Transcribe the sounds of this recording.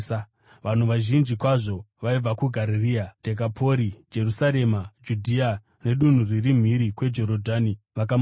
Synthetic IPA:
a | ʋan̤uʋaʒind͡ʒikwaʐo̞ | ʋaib͡vakuɡʱaɾiriad̥ʱe̞k̬apʰo̞ɾid͡ʒe̞rusaɾe̞mad͡ʒudʱia | ne̞ɗun̤uririm̤iɾikwe̞d͡ʒo̞ɾodʱani | ʋak̬am

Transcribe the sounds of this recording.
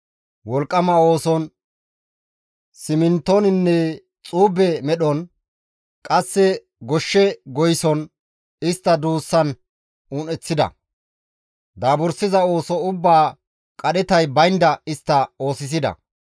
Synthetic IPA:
wɔlkʼːɐmɐo̞ːsɔn | sɪmɪnt̪ːonɪnːɛ | t͡sʼuːbɛmɛɗɔn | kʼɐsːɛ | ɡɔʃːɛɡɔjsɔn | ɪst̪ːɐd̪uːsːɐn | uːnɛt͡sːɪd̪ɐ̰ | d̪aːbʊɾsɪzɐo̞ːsɔʊbːaː | kʼɐɗɛt̪ɐjbɐjnd̪ɐɪst̪ːɐo̞ːsɪs̬ɪd̪ɐ̰

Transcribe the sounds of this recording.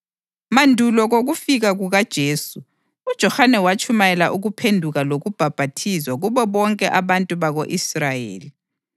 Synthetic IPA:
mandʱulɔɣoɣufiɣaɣuɣad̥ʒ̥ʱeːsu | ud̥ʒ̥ʱɔxanɛwat͡ʃʰʼumajɛlaʔuɣupʰendʱuɣaloɣub̥ʱab̥ʱatʰizwaɣuβɛβɔŋkʼɛʔaβantʼuβaɣoʔisrajḛːli

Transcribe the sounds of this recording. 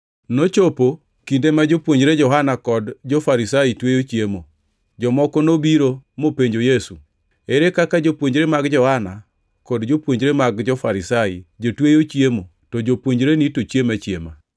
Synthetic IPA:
not͡ʃopo | kindemad͡ʒopwoɲd͡ʒɾed͡ʒɔɦanakɔdd͡ʒofaɾisaitwejot͡ʃjemo̰ | d͡ʒɔmɔkɔnobiɾomopeɲd͡ʒojesu | eɾekakad͡ʒopwoɲɾemaɡd͡ʒɔhana | kɔdd͡ʒopwoɲd͡ʒɾemaɡd͡ʒɔfaɾisajḭd͡ʒotwejot͡ʃjemo | tɔd͡ʒopwoɲd͡ʒɾenitot͡ʃjemat͡ʃjema̰

